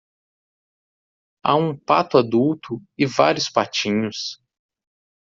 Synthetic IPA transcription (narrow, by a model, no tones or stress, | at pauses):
a̰ũpat̪ʊad̪uwt̪ʊɪva̰ɾjʊspat͡ʃĩɲʊs